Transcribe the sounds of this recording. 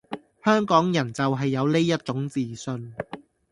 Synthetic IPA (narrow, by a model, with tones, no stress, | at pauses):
hœː˥ŋkɔː˨˥ŋjɐ˨˩nt͡sɐ˨wɦɐ˨jːɐ˨˧wle˥jːɐ˥t̚t͡ʃʊ˨˥ŋt͡siː˨sɵ˧n